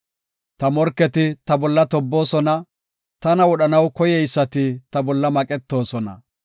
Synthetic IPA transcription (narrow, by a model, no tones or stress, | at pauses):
t̪ɐmɔɾkːɛt̪ɪt̪ɐbɔlːɐt̪ɔbːo̞ːsɔnɐ | t̪ɐnɐwɔɗɐnɐwkɔjɛjsːɐt̪ɪt̪ɐbɔlːɐmɐkʼɛt̪ːo̞ːsɔnɐ̰